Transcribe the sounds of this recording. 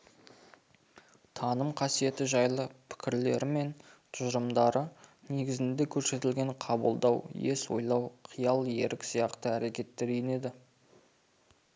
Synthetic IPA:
t̪ʰɑnəmqʰɑsije̞t̪ɪʒɑjlˠəpʰɪ̥kʲɪɾle̞̰ɾɪme̞nt̪ʰʊʒəɾəmd̪ɑɾəne̞ɡʲɪzɪnd̪e̞kʲʰɵɾse̞t̪ɪlɡʲe̞ɴqʰɑbəlˠd̪ɑwje̞swo̰jlˠɑwqʰijɑlˠje̞̰ɾʔɪksijɑqt̪əæɾe̞kʲe̞t̪ːe̞ɾejne̞d̪ɪ

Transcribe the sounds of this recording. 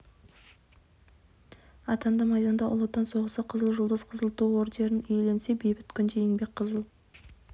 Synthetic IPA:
ɑt̪ɑnd̪ɑmɑjd̪ɑnd̪ɑʔʊ̰lˠət̪ːɑnso̞ʁəsəqʰəzəlˠʒʊlˠd̪əzqʰəzəlˠt̪uoɾd̪e̞ɾɪnʏjle̞nse̞bejbɪt̪kʲʰʏnd̪ejeŋbe̞k̚qʰəzəlˠ

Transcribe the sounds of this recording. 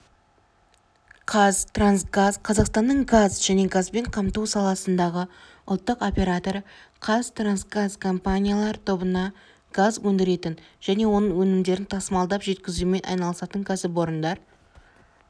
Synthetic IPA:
qʰɑzt̪ransɡazqʰɑzɑqst̪ɑnːəɴɡazʒæne̞ɡazbe̞ɴqʰɑmt̪uwsɑlˠɑsənd̪ɑʁə | ʊlˠt̪ːəqo̞pʲe̞ɾat̪o̞ɾəqʰɑzt̪ransɡazkʰo̞mpanʲijalˠɑɾət̪ʰobənɑ | ɡ̥azwɵnd̪ɪɾe̞t̪ɪnʒ̥æne̞wo̞nəɴwɵnɪmd̪e̞ɾɪnt̪ʰɑsəmɑlˠd̪ɑpʒe̞t̪kʲɪzɪlmejʔɑ̰jnɑlˠəsɑt̪əŋkʲʰæsɪp̬o̞ɾənd̪ɑɾ

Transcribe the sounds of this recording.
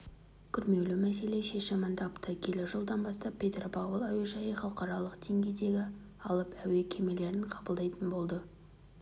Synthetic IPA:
kʲʰʏɾme̞wlɪmæse̞le̞ʃe̞ʃɪmənd̪ɑpt̪əkʲʰe̞lɪʒəlˠd̪ɑnbɑst̪ɑppʰʲːe̞t̪ropʰɑwolˠɑweʒɑjəχɑlˠqɑɾɑlˠəqd̪̥e̞ŋɡʲe̞jd̪e̞ɡʲɪ | ɑlˠəpæwe̞kʲʰe̞me̞le̞ɾɪɴqʰɑbəlˠd̪ɑjt̪ənbo̞lˠd̪ə

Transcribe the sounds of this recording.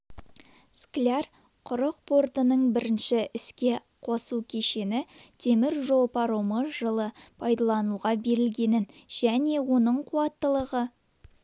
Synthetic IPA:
sklʲar | qʰʊɾəq̚pʰo̞rt̪ənəɴbɪɾɪnʃɪʔɪskʲe̞ | qʰo̞sukʲʰeʃe̞nɪt̪ʰe̞mɪɾʒo̞lˠpʰɑɾoməʒəlˠəpʰɑjd̪ɑlˠɑnuʁɑbe̞ɾɪlɡʲe̞nɪnʒ̥æne̞wo̞nəɴqʰuɑt̪ːəlˠəʁə

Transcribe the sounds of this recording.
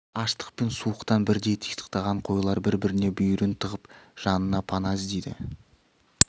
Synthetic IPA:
ɑʃt̪ə̥q̚pe̞nsuəqt̪ɑnbɪɾd̪e̞jt̪ʰi̥jt̪ə̥qt̪ɑʁɑɴqʰo̞jlˠɑɾbɪɾbɪɾɪne̞bɵjʏɾɪnt̪ʰəʁəpʒ̥ɑnənɑpʰɑnɑzd̪ejd̪ɪ̰

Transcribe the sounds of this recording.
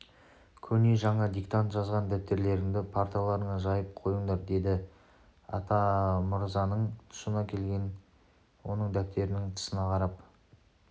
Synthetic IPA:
kʲʰɵne̞ʒɑɴɑd̪ikt̪ant̪ʒɑzʁɑnd̪æp̚t̪e̞ɾle̞ɾɪŋd̪ɪpʰaɾt̪ijalˠɑɾəɴɑʒɑjəp̚qʰo̞jəɴd̪ɑɾd̪e̞d̪ɪ | ɑ̰t̪ɑmʊɾzɑnəɴt̪ʰʊ̥sənɑkʲʰe̞lɡʲe̞n | wo̞nəɴd̪æp̚t̪e̞ɾɪnɪŋt̪ʰə̥sənɑqʰɑɾɑp

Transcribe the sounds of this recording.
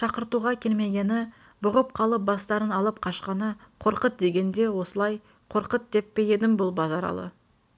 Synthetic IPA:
ʃɑqəɾt̪uʁɑkʲʰe̞lme̞ɡʲe̞nɪ | bʊʁəp̚qʰɑlˠəp̚bɑst̪ɑɾənɑlˠəp̚qʰɑʃqɑnəqʰo̞ɾqət̪̚d̪e̞ɡʲe̞nd̪e̞wo̞səlˠɑj | qʰo̞ɾqət̪̚d̪e̞pːe̞je̞d̪ɪmbʊlˠbɑzɑɾɑ̰lˠə̰

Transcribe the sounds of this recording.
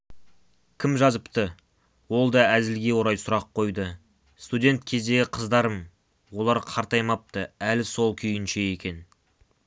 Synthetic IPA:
kʲʰɪmʒɑzəpt̪ə | wo̞lˠd̪ɑæzɪlɡʲe̞wo̞ɾɑjsʊɾɑqʰːo̞jd̪ə | st̪udʲe̞nt̪̚kʲʰe̞zd̪e̞ɡʲɪqʰəzd̪ɑɾəm | wo̞lˠɑɾqʰɑɾt̪ɑjmɑp̚t̪əælɪso̞lˠkʲʰʏjɪnʃe̞je̞kʲe̞n

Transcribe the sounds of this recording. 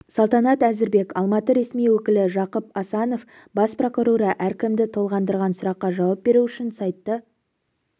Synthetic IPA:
sɑlˠt̪ɑnɑt̪æzɪɾbe̞kɑlˠmɑt̪əɾe̞smijwɵkʲɪlɪʒɑqəpɑsɑno̞f | bɑspro̞kuɾuɾɑʔæɾkʲɪmd̪ɪt̪ʰo̞lˠʁɑnd̪əɾʁɑnsʊɾɑqːɑʒɑwɑp̚be̞ɾuʏʃɪnsɑjt̪ːə

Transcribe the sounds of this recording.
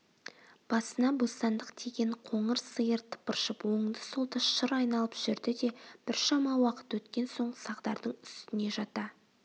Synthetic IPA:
b̥ɑsənɑbost̪ɑnd̪əqt̪ʰeɡʲe̞ɴqʰo̞ɴəɾsəjəɾt̪ʰə̥pəɾʃəpwo̞ɴd̪əsolˠd̪əʃəɾɑjnɑlˠəpʒ̥ʏɾd̪ɪd̪e̞b̥ɪɾʃɑmɑwɑqə̥t̪wɵt̪kʲe̞nso̞ɴɢəsɑqd̪ɑɾd̪əɴʏst̪ɪne̞ʒɑt̪ɑ

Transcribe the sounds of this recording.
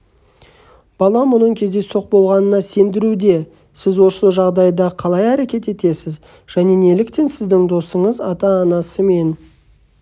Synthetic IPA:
b̥ɑlˠɑmʊnəɴkʲʰe̞zd̪e̞so̞q̚bo̞lˠʁɑnənɑse̞nd̪ɪɾud̪e̞ | sɪzwo̞səlˠʒɑʁd̪ɑjd̪ɑqʰɑlˠɑjæɾekʲe̞t̪e̞t̪e̞sɪz | ʒ̥æne̞ne̞lɪkt̪e̞nsɪzd̪ɪŋd̪o̞səɴəzɑt̪ɑːnɑsəme̞n

